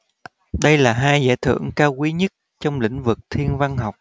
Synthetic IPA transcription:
ɗə˧jlaː˨˩ɦaː˧jza̰ː˧˩jt̪ʰɨ̰˧˩˨əŋkaː˧wkwi˨˦ɲə˦˥t̚ | t͡ɕɔ˧wŋ͡mlḭ̈˧˥˨ŋ̟vɨ˨˩k̚t̪ʰi˧ənva˧ŋɦa˨˩wk͡p̚

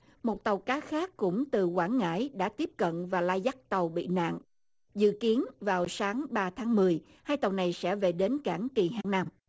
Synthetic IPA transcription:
mo˨˩t̚t̪ə˨˩wkaː˨˦xaː˦˥kːʊ̰˧˥ŋ͡mt̪ɨ˨˩kwaː˧˩nŋa̰ː˧˥jɗa̰ː˧˥t̪i˦˥əp̚kə̰˧˨nvaː˨˩laː˧jza˦˥k̚t̪ə˨˩wɓḭ˧˨na̰ː˧˨ŋ | zɨ̰˧˨ki˨˦ənvaː˨˩wsaː˨˦ŋɓaː˧t̪ʰaː˨˦ŋmɨ˨˩əj | haː˧jt̪ə˨˩wna˨˩jsɛ̰˧˥ve˨˩ɗe˨˦nkaː˧˩ŋki˨˩ɦa̰ː˧˩ŋna˧m

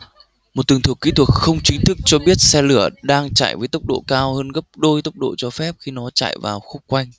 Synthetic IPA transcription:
m˨˩t̚t̪ɨ˨˩ŋt̪ʰɨ˨˩əkːi˨˦t̪ʰwt̚xə˧wŋ͡mt͡ɕï˨˦ŋ̟t̪ʰɨ˦˥k̚t͡ɕɔ˧ɓi˦˥ət̚sɛ˧lɨ˧˩əɗaː˧ŋt͡ɕa̰ː˧˩˨jvəː˨˦jt̪ə˦˥wk͡p̚ɗo̰˧˨kaː˧whəː˧nɣə˦˥p̚ɗo˧jt̪ə˦˥wk͡p̚ɗo̰˧˨t͡ɕɔ˧fɛ˦˥p̚xi˧nɔ˨˦t͡ɕa̰ː˧˨jvaː˨˩wxə˦˥k͡p̚kwa˧jŋ̟

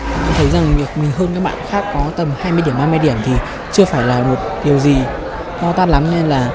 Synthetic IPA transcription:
ʔa˧t̪ʰə˨˦jza˨˩ŋvi˨˩ək̚mï˨˩ŋ̟ɦəː˧nkaː˦˥k̚ɓa̰ː˧˨nxaː˦˥kːɔ˨˦t̪ə˨˩mhaː˧jmɨ˧ɗi˧˩ənmaː˧ma˧jɗi˧˩əmt̪ʰi˨˩ | t͡ɕɨ˧əfaː˧˩jlaː˨˩mo˨˩t̚ɗi˨˩əwzi˨˩ | t̪ɔ˧t̪aː˦˥t̚la˨˦mne˧nlaː˨˩

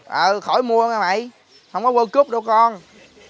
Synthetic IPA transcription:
ʔəː˨˩xɔ˧˩jmu˧əŋaː˧ma̰˧˩˨j | hə˧wŋ͡mkɔ˨˦ɣəː˧ku˦˥p̚ɗə˧wkɔ˧n

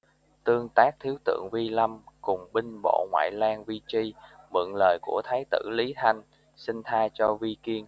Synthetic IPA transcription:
t̪ɨ˧əŋt̪aː˦˥k̚t̪ʰi˨˦əwt̪ɨ̰˧˨əŋvi˧la˧mkʊ˨˩ŋ͡mɓï˧ŋ̟ɓo̰˧˨ŋwa̰ː˧˨jlaː˧ŋvi˧t͡ɕi˧mɨ̰˧˨ŋləː˨˩jku˧˩ət̪ʰaː˨˦jt̪ɨ̰˧˩li˨˦t̪ʰa˧jŋ̟ | sï˧ŋ̟t̪ʰaː˧jt͡ɕɔ˧vi˧ki˧ən

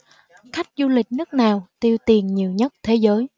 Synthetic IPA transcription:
xa˦˥jk̟̚zu˧lï˨˩k̟̚nɨ˦˥ək̚naː˨˩wt̪i˧əwt̪i˨˩ənɲi˨˩əwɲə˦˥t̚t̪ʰe˨˦zəː˨˦j

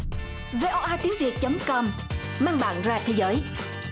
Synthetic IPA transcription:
ve˧ʔɔ˧ʔaː˧t̪i˨˦əŋvi˨˩ək̚t͡ɕə˨˦mkɔ˧m | maː˧ŋɓa̰ː˧˨nzaː˧t̪ʰe˨˦jzəː˨˦j

